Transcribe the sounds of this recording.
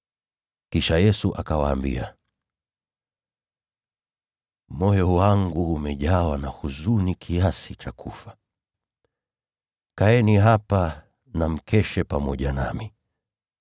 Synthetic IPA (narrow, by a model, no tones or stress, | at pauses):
kiʃajɛsuʔakawaːmbḭa | mɔjɔwaŋɡuːmɛʄawanahuzunikʰiasit͡ʃakʰufḁ | kaɛniɦapa | nam̩kʰɛʃɛpamɔʄana̰mi